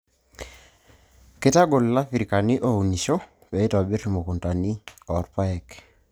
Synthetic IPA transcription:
ke˦ta˦ɡo˨lla˦fiɾi˨ka˨ni˦ʔo˦u˨ni˨ʃɔ˦ | bɛ˨i˦tɔ˨bi˦tmo˨ku˨nta˨ni˦ɔ˨ɾpa˦ɛ˨k

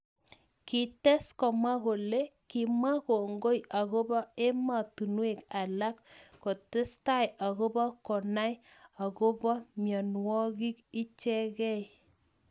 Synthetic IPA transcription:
ki˨tɛ˦skɔ˨ma˦ɣo˨le˦ki˨ma˦ko˨ŋɡo˦jʔa˨ɣo˦bɔ˦e˦ma˨tu˨nwe˨ka˨la˦kːo˨te˦sta˦ja˨ɣo˦bɔ˦kɔ˨na˦ja˨ko˦bɔ˦mjɔ˨nwɔ˦ɣi˦ki˦t͡ʃɛ˦ɣɛ˦j

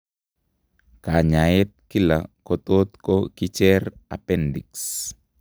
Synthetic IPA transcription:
ka˨ɲa˨jɛ˦t̪̚ki˦la˨kɔt̪ot̪koki˦t͡ʃɛ˦ɾa̰˨pɛndḭ˨ks

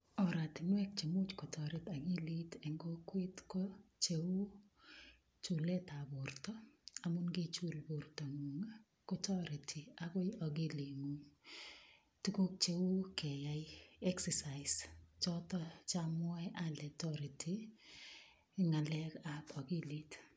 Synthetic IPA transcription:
ɔ˨ɾa˨tɪ˨nwɛ˦k̚t͡ʃe˨mu˦t͡ʃkɔ˨tɔ˨ɾɪ˦ta˨ɡi˦li˦tɛ˨ŋɡo˦kwe˦tko˦t͡ʃe˦wu˦ | t͡ʃu˨lɛ˦ta˨bo˨rtɔ˦a˨mʊ˦nɡɪ˦t͡ʃu˦lbo˨rto˨ŋu˨ŋa˦ | kɔ˦tɔ˦ɾi˨tʰi˨a˨ko˦jɔ˨ɡi˦li˨ŋu˨ŋ | ti˦ko˦k̚t͡ʃe˦u˦kɛ˨ja˨jɛ˦ksɛsa˨ɪst͡ʃɔ˦tɔ˦t͡ʃamɔ˦ɛ˦ʔa˦lɛ˨tɔɾi˨tʰi˨ | ɪ˦ŋa˨lɛ˦ka˨kɔ˨ɡi˦li˦t

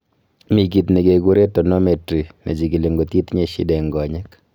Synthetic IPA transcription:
mi˨ɡ̬i˨t̪ne˨ɡe˨ɡu˦ɾe˦to˨no˦me˨tɾi˨nḛ˨d͡ʒi˨ɡi˨le˨ŋɡo˨ti˦t̪ɲe˦ʃḭ˦dɛ˨ŋɡɔ˨ɲɛ˦k

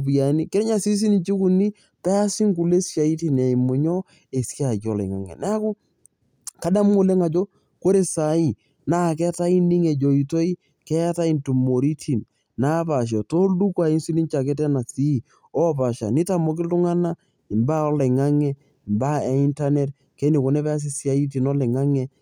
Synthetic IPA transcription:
p̬ja˨ni˦kɪ˦ɲa˨si˦s̬i˦ni˨t͡ʃi˦ku˨ni˦ | pɛ˦a˦si˦ŋku˨le˦sja˨i˦ti˦˨na˨i˨mʊ˨ɲɔ˦ | e˨sja˨jɔ˨lɛ̰˨ŋa̰˨ŋɛ̰˨nɛ˦kʊ˦ | ka˨˦da˦m˦ŋo˦le˦ŋa˨d͡ʒo˦ | ko˦ɾe˨sa˨i˦ | na˦˨kɛ˦ta˦i˦ni˦ŋe˨d͡ʒo˨i˨to˦i˦ | kɛ˦a˦ta˦i˦ntu˨mo˨ɾi˦tʰi˨n | na˦pa˨ʃ̬ɔ˨to˦du˦kwa˨i˦nsi˦ni˦nt͡ʃa˨ke˦t̬ɛ˦na˨si˦˨ | ɔ˦pa˨ʃa̰˨ni˦ta˨mɔ˨k̬ɪ˦lu˦ŋa˦na˦ | ɪ˨mba˦ɔ˦le˨ŋa˦ŋɛ˦ | i˨mba˦e˨i˦nta˦ne˦t | kɛ˦ni˨ko˨nɛ˦pɛ˦a˦s̬i˦sja˨i˦t̬i˨nɔ˦lɛ˨ŋa˦ŋɛ˦

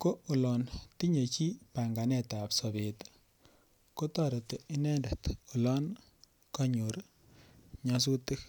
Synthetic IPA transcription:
ko˦o˨lɔ˨nti˦ɲe˨t͡ʃi˦pa˨ŋɡa˨nɛ˦ta˨psɔ˨be˨t | ko˦tɔ˦˨ɾe˨te˨i˦nɛ˦ndɛ˨to˨lɔ˦n | kɔ˦ɲu˨ɾ | ɲa˧s̬u˦ti˦k

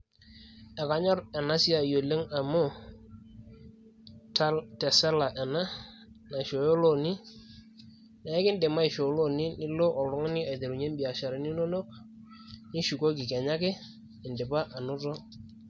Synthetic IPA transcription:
ɛ˨ka˨ɲɔ˦ɾɛ˨na˦si˦a˨jo˨le˦ŋa˨mʊ˦˨ | ttɛ˨sɛ˦la˨ʔɛ˨na˦ | na˨ʃo˨jo˦lo˦ni˦ | na˨ɛ˦kɪ˦ndɪ˨ma˦ɪ˨ʃo˨˦lo˦nɪ˦nɪ˦lo˦ʔɔ˨lʊ˦ŋ˦nɪ˦a˨te˨ɾu˨ɲe˦m˦bi˨a˨ʃa˨ɾɪ˦ni˦no˦no˦k̚ | nɪ˦ʃu˨ko˦k̬ɪ˨kɛ˨ɲa˦kɪ˦ | ɪ˨ndɪ˨pa˦ʔa˨nʊ˦tɔ˦

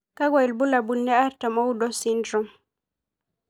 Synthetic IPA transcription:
ka˦ɡwa˨i˨lbu˦la˨bu˨lːɛ˦a˦ɾta˨mɔ˦u˦dɔ˦si˦ndɾɔ˦m

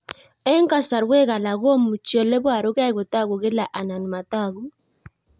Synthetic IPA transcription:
ɛ˦ŋka˦sa˨ɾwe˦ɣa˨la˨ɣɔ˦mu˨t͡ʃjɔ˨lɛ˦bwa˦˨ɾʊ˦ɣa˦˨ɣʊ˨ta˦˨ɣu˨ɣɪ˦la˨ʔa˨na˨n˨ma˨ta˦˨ɣu˦

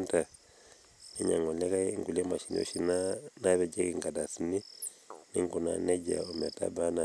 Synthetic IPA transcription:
nta˨ | ne˦ɲa˨ŋo˨le˦ka˦i˦ŋɡu˨le˦ma˨ʃi˨no̰˦ʃi˦na˦na˦βɛ˨d͡ʒe˦ki˨ŋɡa˨da˨si˨ni˦ | ni˦ŋɡu˨na̰˦ne˦ɟa̰˨o˨mɛ˨ta̰˦ba˦na˨

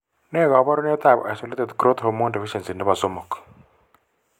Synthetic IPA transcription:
ne˦ka˨˦ba˦ɾɔ˦ne˦t̪a˦˨b̰ʔa˨so˦le˦te˨dkɾo˦t̪ho˦mɔ˦di˨fi˦ʃɛ˨nsi˨nɪ˦βa˨zo˦mɔ˨k

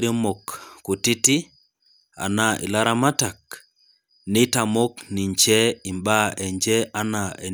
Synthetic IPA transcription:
ɾjo˦mo˨kːu˨ti˦ti˦ | a̰˨na˨ʔḭ˨la˦ɾa˦ma˦ta˨k̚ | ni˦ta˨mo˦kni˨ɲt͡ʃɛ˦i˨mba˦ʔɛ˨ɲd͡ʒɛ˦a˦na˨ʔe˨

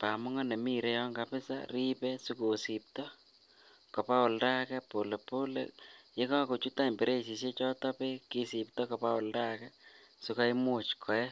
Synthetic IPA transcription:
pa˨mʊ˦ŋɔ˦ne˨mi˦ɾe˧jɔŋɡapɪ˦sa̰ri˦pɛ˦su˦ko˨sip̚tɔ˦ | kɔ˨pa˦ʊ˨lda˦kɛpo˨le˨po˦lḛje˦ka˦ko˨t͡ʃu˦ta˦nbe˨ɾe˦si˨s̬e˦t͡ʃɔ˦ta˦pe˦ki˦si˨p̚tɔ˦kɔ˨pa˦ʊ˨lda˦kɛ | suka˦imʊt͡ʃkʰɔ˨jɛ˦

